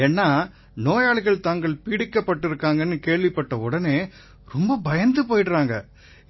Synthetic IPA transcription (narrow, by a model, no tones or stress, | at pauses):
ɛnːaː | noːjaːɭɪɣɐɭt̪aːŋɡɐɭpiːɽɪkːɐpːɐʈːɪɾɯkːaːŋɡɐnːɯkeːɻʋɪpːɐʈːɐʊɽɐneː | ɾɔmbɐbɐjɐnd̪ɯpoːjʈɾaːŋɡɐ̰